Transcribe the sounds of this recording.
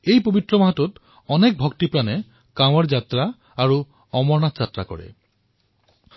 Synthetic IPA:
ejpobit̪ɾɔmaɦat̪ut̪ | ɔnek̚bʱɔkt̪ipɾane | kaw̃aɾd͡ʒat̪ɾaː | ɹu | ɔmɔɹnat̪d͡ʒat̪ɾa̰kɔ̰ɹḛ

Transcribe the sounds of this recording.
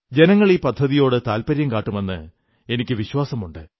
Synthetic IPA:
d͡ʑe̞nɐŋːɐɭilpɐd̪ʱːɐðijo̞ːɽɨt̪aːlpɐɾjɐmkaːʈːume̞nːɨ̰ | e̞nikʲːɨʋiɕwaːsɐmuɳɖɨ

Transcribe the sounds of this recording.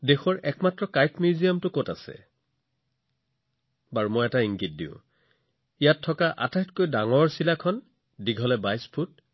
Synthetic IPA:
dexɔɹʔɛkmatɹɔkajtmjuzijamtʊkotasɛ̰ | baɹumojɛtaiŋɡit̚dḭʊ̰̃ | ijatʰːɔkaʔa̰tajtkojdaŋɔɹsilakʰɔn | diɡʱɔlɛbajspʰut̚

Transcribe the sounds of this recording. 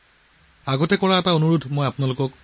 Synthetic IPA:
aɡɔtɛkɔɹaɛtaonuɹudʱmojapʊnalʊkɔk

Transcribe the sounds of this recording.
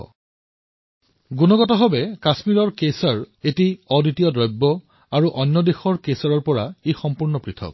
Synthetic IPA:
ɡunɔɡɔtɔɦɔbɛkasmiɹɔɹkesaɹetiɔditijɔdɹɔjbːɔ | aɹuʔɔnːɔdexɔɹkesaɹɔɹpɔɹaexɔmpuɹnɔpɹitʰɔ̰k̚

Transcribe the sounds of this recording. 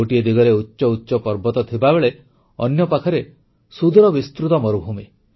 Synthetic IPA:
oʈied̪iɡɔɾeutːʃɔutːʃɔpɔɾbɔt̪ɔt̪ʰibabeɭe | ɔ̰njɔpakʰɔɾe | sud̪ʱɾɔbist̪ɾut̪ɔmɔɾubʱume

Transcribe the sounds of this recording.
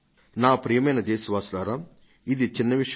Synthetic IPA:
naːpɾijɐmɐjnɐd̪eːsɐʋaːslaːɾaː | id̪it͡ʃinːɐʋiʂɐ

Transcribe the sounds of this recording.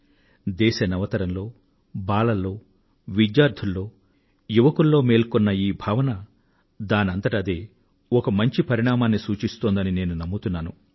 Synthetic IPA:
d̪ɛːʃɐnɐʋɐt̪ɐɾɐmlo̞ː | baːlɐlːo̞ː | ʋid͡ʒjaːɾd̪ʱulːo̞ː | juʋɐkulːo̞ːme̞ːlkɔnːɐiːbʱaːʋɐnɐ | d̪aːnɐnt̪ɐʈɐd̪eː | ɔkɐmɐɲt͡ʃipɐɾiɳ̃aːmaːnːisuːt͡ʃist̪oːnd̪ɐnine̞ːnunɐmːut̪unːaːnu

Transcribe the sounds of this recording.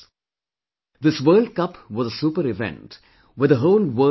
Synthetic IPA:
d̪ɪsʋɜːlɖ̚kʌpʋɔzəsuːpəɾɪʋɛ̰̃nʈ | wɛd̪əɦoːlwəː

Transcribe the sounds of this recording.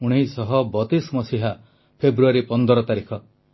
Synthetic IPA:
uɽ̃eisɔɦɔbɔt̪ismɔsiɦa | pʰebɾuaɾipɔnd̪ɔɾɔt̪aɾikʰɔ

